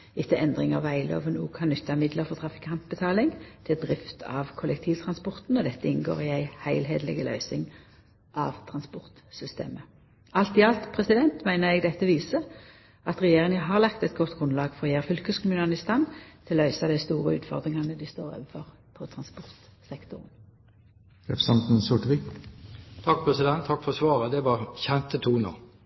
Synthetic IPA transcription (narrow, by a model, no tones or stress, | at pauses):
ɪt̪ːəʔɛnd̪ʁɪŋɑʋæɪlo̰ːʋənuːkʰɑnnʏt̪ʰːɑmɪd̪ləʁfɔʁt̪ʰʁɑfɪ̥khɑmp̪̚bət̪ʰɑːlɪŋt̪ʰɪld̪ʁɪft̪ʰɑ̰ʋkʰʊlɛkt̪ʰiːʋt̪ʰʁɑnspɔʁt̪n̩ɔd̪ɛt̪ːəɪnɡo̰ːʁɪæɪhæɪlɦeːd̪lɛ̰ɡəlø̰ːsɪŋ | ʔɑʋt̪ʰʁɑnspɔʁt̪sʏst̪ḛːmə | ɑlt̪ɪɑlt̪pʰʁɛsɪd̪ɛnt̪mæɪnəʁɛɡd̪ɛt̪ːəʋiːsə | ʔɑt̪ʁɛjeːʁɪŋəɦɑːʁlɑkt̪ɛt̪ɡɔt̪ɡʁʉnlɑːɡfɔʁjæʁfʏlkəskʰʊmʉːnənɪst̪ɑnt̪ʰɪlɔœʏsɑd̪æɪst̪uːʁəʉ̰ːt̪fɔʁd̪ʁɪŋɑnəd̪iɪst̪o̰ːʁø̰ːʋəfɔʁ | pʰɔt̪ʰʁɑnspɔʁt̪sɛkt̪ʊʁn | ɛfsɑmt̪n̩sʊʈʋɪ | t̪ʰɑk̚pʰɾɛsɪd̪ɛnt̪ʰːɑkːfɔsʋɑːʁəd̪ɛʋɑʁçɛnt̪ət̪ʰuːno̰ː